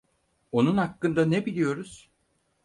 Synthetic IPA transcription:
o̞nunhakːɯnd̪anebilʲijo̞ɾuz̥

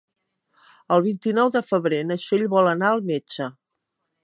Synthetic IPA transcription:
əlˠβint̪inɔwðəfəβɾenəʃeʎβɔlənaəlˠmed͡ʒə

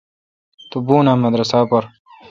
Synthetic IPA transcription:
t̪ubuːnamɐd̪ɾɐsaːpɐɾ

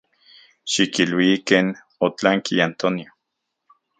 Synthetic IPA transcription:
ʃikilwiken | ot͡ɬaŋkiant̪onio

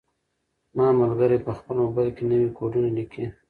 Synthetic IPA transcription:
mɑmalɡaɾepəxpəlwabalkenəwikoɖunaliki

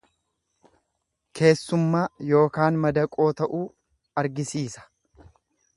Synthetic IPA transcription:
kʰe̞ːsːʊmːaːjo̞ːkaːnmɐd̪ɐkʼo̞ːt̪ɐʔuː | ɐɾɡɪsiːsɐ̥

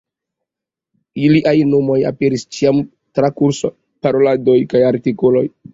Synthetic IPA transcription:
iliʔajno̞mo̞ja̰peɾist͡ʃiam | tɾakuɾso | paɾo̞lado̞jkajaɾtikolo̞j

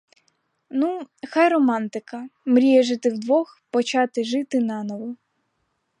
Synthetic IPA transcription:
nuxɑjrɔmɑnt̪ɪkɐmɾʲijɛʒɪt̪ɪwd̪ʋɔx | pɔt͡ʃɑt̪ɪʒɪt̪ɪnɑnɔʋʊ

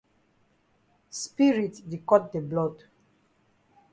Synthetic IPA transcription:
spiɹitdikɔt̚d̪eblɔd

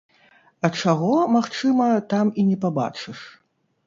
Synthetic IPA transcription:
ɐt͡ʂaɣɔmaxt͡ʂɨmɐt̪aminʲɛpaba̰t͡ʂɨʂ

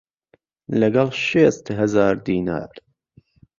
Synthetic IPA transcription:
lɐɡɐlˠʃeːst̪ɦɐzaːɾd̪iːna̰ːɾ

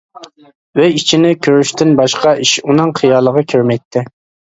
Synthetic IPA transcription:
ɛit͡ʃʰinɪkʲʰøɾyʃt̪ɪnbɑʃqɑʔiʃunɨŋqʰəjɑlˠːəʁɑkʲʰøɾmɛjt̪ʰːɪ

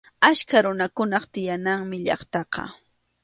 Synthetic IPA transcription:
aʃkaɾʊnakʊnɑχt̪ɪjanaŋmɪʎɑ̰χt̪ɑqɑ̰

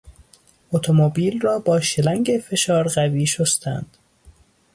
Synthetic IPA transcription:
ʔot̪ʰomobiːlrɒːbɒːʃelæŋɟe̞fe̞ʃɒːɾɢæviːʃost̪ʰæ̰nd̪̥

